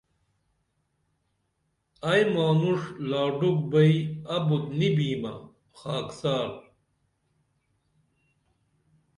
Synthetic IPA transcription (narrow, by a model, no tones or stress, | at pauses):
ɐjmaːnuʂlaːɖuk̚bɐiɐbut̪nibiːmɐ̰ | xaːksaːɾ